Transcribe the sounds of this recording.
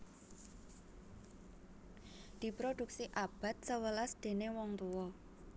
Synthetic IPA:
d̪̥i̤pɾod̪̥uk̚siʔab̥a̤t̪̚səwəlasd̪̥e̤newɔŋt̪uwɔ

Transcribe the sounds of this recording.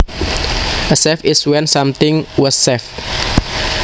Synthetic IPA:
ʔəsɛfɪswɛnsamt̪ɪŋwɔsɛf

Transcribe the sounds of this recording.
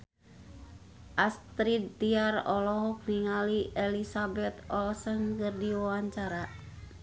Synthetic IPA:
ʔast̪ɾid̪ːiarɔlɔɦɔk̚niŋaliʔɛlisabɛt̪ɔlsəŋkərdiwawaɲt͡ʃaɾa

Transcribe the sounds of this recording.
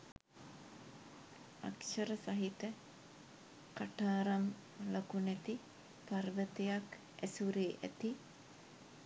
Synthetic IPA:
a̰kʃɐɾəsaɦit̪ə | kaʈaːɾam | lokunæt̪i | parʋət̪ejak | æsuɾeːʔæ̰t̪i

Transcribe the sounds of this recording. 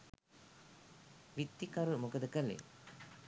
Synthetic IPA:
ʋit̪ːikaɾumokəd̪əkəlḛ

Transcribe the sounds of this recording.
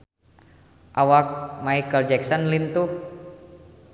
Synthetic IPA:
ʔawak̚maikəld͡ʒɛksɔnlint̪u

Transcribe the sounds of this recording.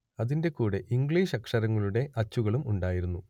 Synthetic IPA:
ɐðinde̞kuːɽeʔiŋɡɭiːʂɐkʂɐɾɐŋːɐɭuɽe̞ʔɐt͡ɕːuɣɐɭumuɳɖaːjiɾunːu

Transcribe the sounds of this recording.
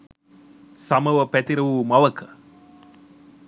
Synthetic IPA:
sɐmɐʋɐpɛt̪iɾɐʋumɐʋɐkʰɐ

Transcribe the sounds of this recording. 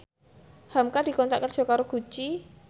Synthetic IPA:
hamkad̥i̤kɔnt̪aʔkːər̥ʒ̥ɔ̤kaɾoɡ̥ṳt͡ʃi

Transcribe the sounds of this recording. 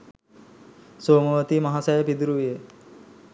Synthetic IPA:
soːmoʋət̪imaɦasajəpid̪uɾuʋije

